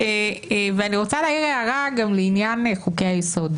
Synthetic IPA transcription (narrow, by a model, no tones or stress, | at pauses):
eveaniʁo̞t͡salaːiʁeaʁaɡamleinjaneχukejajeso̞d̪